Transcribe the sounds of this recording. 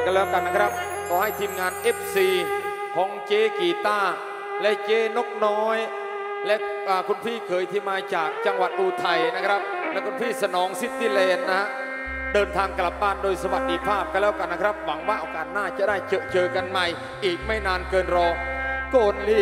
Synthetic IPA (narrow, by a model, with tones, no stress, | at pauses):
klɛː˦˥wka˧nːa˦˥kʰɾa˦˥p̚ | kʰɔː˧˩ha˥˩jt̪ʰiː˧mŋaː˧nʔeː˦˥p̚siː˧˩ | kʰɔː˩˦ŋt͡ɕeː˧˩kiː˨˩t̪aː˥˩ | lɛ˦˥ʔt͡ɕeː˧˩no˦˥k̚nɔː˦˥j | lɛ˦˥ʔʔaː˨˩kʰu˧npʰiː˥˩kʰɤː˨˦jt̪ʰiː˥˩maː˧t͡ɕaː˨˩k̚t͡ɕa˧ŋwa˨˩t̪̚ɗuː˧t̪ʰa˧jna˦˥kʰɾa˦˥p̚lɛ˦˥kʰu˧npʰiː˥˩sa˧nɔː˩˦ŋsi˨˧˩t̪ʰːiː˥˩lɛː˨˩t̪̚na˦˥ha˦˥ | dɤː˧nt̪ʰaː˧ŋkla˨˩p̚baː˥˩ndoː˧jsa˧wa˨˩t̪̚di˧pʰaː˥˩p̚ka˧lɛː˦˥wka˧nːa˦˥kʰɾa˦˥p̚wa˩˦ŋwaː˥˩ʔɔː˧˩kaː˨˩t̪̚naː˥˩t͡ɕa˨˩ʔdaː˥˩jt͡ɕɤ˧ʔt͡ɕɤː˧ka˧nma˧j | ʔiː˨˩k̚ma˥˩jnaː˧nkɤː˧nɾɔː˧koː˧nliː˥˩